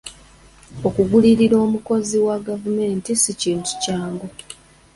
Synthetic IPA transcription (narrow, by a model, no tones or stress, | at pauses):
o̞kuɡuliɾiɾo̞ːmuko̞ziwaɡavume̞ːntisiciːntu̥caːŋɡo